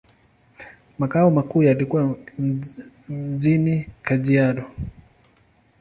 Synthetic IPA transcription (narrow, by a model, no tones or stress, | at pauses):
makaɔmakuːjalikuwa | m̩d͡ʒinikad͡ʒiadɔ